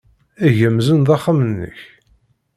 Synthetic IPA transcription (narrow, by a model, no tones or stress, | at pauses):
æʝəmzənðɑχːamənːə̰ç